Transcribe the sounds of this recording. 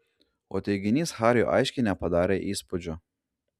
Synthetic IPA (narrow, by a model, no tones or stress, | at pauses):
o̰ːt̪ʲɛɪɡʲɪnʲiːsxɑːɾʲjṵʔɑ̰ɪʃʲkʲɪnʲɛpɐd̪ɑːɾʲeʔiːspʊd͡ʒʲo